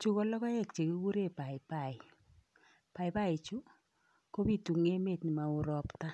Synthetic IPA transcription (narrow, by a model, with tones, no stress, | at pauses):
t͡ʃu˦kɔ˦lɔ˦kɔ˦ɛ˦˨k̚t͡ʃe˨ki˦ku˦ɾe˦˨pa˨ɪ˨pa˨ɪ˨ | pa˨ɪ˨pa˦ɪ˨t͡ʃu˦ | ko˦bi˦tu˨ŋe˦me˦˨tnɪ˨ma˨ʊ˨ɾɔ˨pta˦